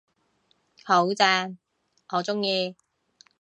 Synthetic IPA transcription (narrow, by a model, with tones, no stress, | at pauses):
ho˨˥wt͡sɛː˧˥ | ɔ˨˥t͡sʊ˥ŋjiː˧